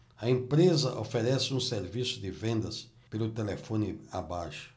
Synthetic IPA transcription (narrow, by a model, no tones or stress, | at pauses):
ɐẽpɾezɐʔo̰feɾɛsɪũseɾvisʊd̪ɪvẽnd̪ɐs | pelʊt̪elefõnɪabajʃʊ̥